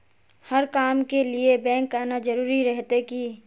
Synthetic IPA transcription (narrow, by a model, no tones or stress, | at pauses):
hɐɾkaːmkeliebɛ̃ːŋkːəɾnad͡ʒɐɾuːɾiɾɛɦt̪eki